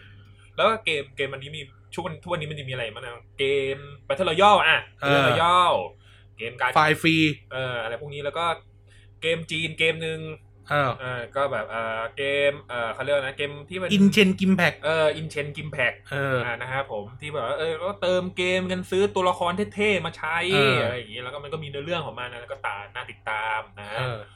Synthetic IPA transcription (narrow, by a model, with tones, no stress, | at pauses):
lɛː˦˥wɔː˥˩keː˧mkeː˧mʔa˧nːiː˦˥mi˧ | t͡ɕʰu˥˩k̚wa˧nː˦˥t̪ʰu˥˩wa˧ni˦˥ma˧˨nt͡ɕa˨˩miː˧ʔa˧a˧jma˦˥a˧˩keː˧mpa˧jt̪ʰa˥˩lɔ˧˩jɔː˥˩wʔaː˨˩˧ɔ˧˩jɔː˥˩w | keː˧mkaː˧faː˧jfiː˧ʔɤː˧ʔa˧ɾa˧jpʰu˥˩niː˦˥lɛː˦˥wkɔː˥˩ | keː˧mt͡ɕiː˧nkeː˧mnɯ˧ŋː˧˩ | ʔɤː˧˩kɔː˥˩bɛː˨˩p̚ʔɤː˨˩keː˧mʔɤː˨˩kʰa˥˩ɾi˥˩˨na˦˥keː˧mt̪ʰiː˥˩ma˧ni˧nt͡ɕʰe˧nki˧mpʰɛ˨˩k̚ʔɤː˧ʔi˧nt͡ɕʰe˧nki˧mpʰɛ˨˩k̚ʔɤː˧ʔa˨˩na˦˥kʰa˦˥pʰo˩˦mt̪ʰiː˥˩ɛː˨˩waː˥˧ʔɤː˧kɔː˥˩t̪ɤː˧mkeː˧mka˧nsɯː˦˥t̪u˧ɐla˧kʰɔː˧nt̪ʰeː˦˥t̪ʰeː˥˩maː˧t͡ɕʰa˦˥ja˧ja˨˩ŋiː˦˥lɛː˦˥kɔː˥˩m˧nkɔː˥˩miː˧nɯ˧lɯ˥˩əŋkʰɔː˩˦ŋmaː˧na˦˥lɛː˧˥kɔː˥˩t̪a̰ː˨˩naː˥˩t̪i˨˩t̪ːaː˧mnaː˦˥˧